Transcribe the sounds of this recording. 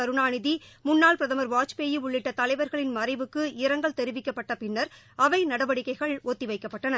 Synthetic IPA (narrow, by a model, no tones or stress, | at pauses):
ɐɾɯɳaːnɪðimʊnːaːɭpɾɐðɐmɐɾʋaːt͡ʃpeːjɯʊɭːɪʈːɐt̪ɐlɐɪʋɐɾɣɐɭɪnmɐɾɐɪbɯkːɯɪɾɐŋɡɐɭt̪ɛɾɯʋɪkːɐpːɐʈːɐpɪnːɐɾ | ɐʋɐɪnɐɽɐʋɐɽɪkːɐɪɣɐɭoːt̪ːiʋɐɪkːɐpːɐʈːɐnɐ